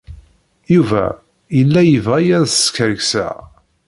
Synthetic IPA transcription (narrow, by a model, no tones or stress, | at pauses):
juvæ̰ | jəlːæjəvʁæjæðskəɾɡsæ̰